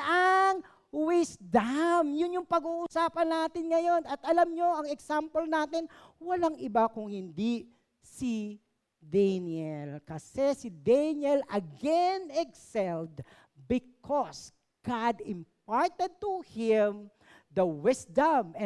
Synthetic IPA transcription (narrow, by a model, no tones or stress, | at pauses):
ɐŋ | wɪsd̪ɐmjʊnjʊŋpɐɡuːʔʊsaːpɐnːaːt̪ɪnŋɐjo̞nɐt̪ʔɐlɐmɲo̞ʔɐŋɛksampolnaːt̪ɪnwɐlaŋɪbakʊŋhɪnd̪i | si | d̪ɛnjɛlkɐsɛsɪd̪ɛnjɛlʔɐɡɛnɛksɛld̪ | bɪkʰɔs | ɡ̥ad̪ɪmp̚aɹt̪ɛd̪̚t̪uhɪm | d̪ɐwɪsd̪ɐm